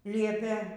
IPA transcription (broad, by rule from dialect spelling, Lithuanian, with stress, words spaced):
ˈlʲiɛpʲeː